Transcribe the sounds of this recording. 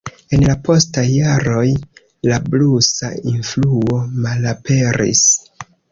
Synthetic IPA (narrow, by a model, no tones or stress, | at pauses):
e̞nlapo̞stajːaɾo̞j | lablusa̰influo̞malape̞ɾḭs